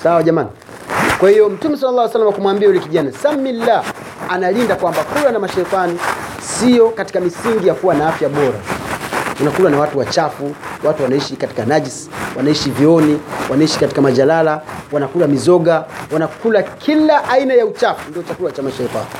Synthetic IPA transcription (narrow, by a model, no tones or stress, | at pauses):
sawaʄamani | kwahijɔm̩tumɛsalːalːˠaːwsalːamaakumwambiajulɛkiʄanasamːilːa | analindakwambakulanamaʃɛikani | sijɔkati̥kamisiŋɡijakuwanaafjaɓɔɾa̰ | kanakulanawatuwat͡ʃafuwatuwanaiʃikati̥kanad͡ʒiswanaiʃiviɔniwanaiʃi̥kati̥kamaʄalalawanakulamizɔɡawanakulakʰilaʔainajaut͡ʃafundiɔt͡ʃakulat͡ʃamaʃɛika̰ni